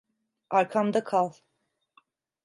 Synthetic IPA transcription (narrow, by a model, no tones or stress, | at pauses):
aɾkʰamd̪akʰalˠ